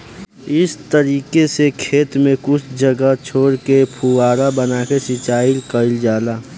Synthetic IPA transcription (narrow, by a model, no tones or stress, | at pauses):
ɪst̪əɾiːkesekʰeːt̪mẽkʊt͡ʃʰd͡ʒəɡəɦt͡ʃʰoːɽkepʰuaːɾabənakesɪt͡ʃaːɪlkəɪld͡ʒaːlaː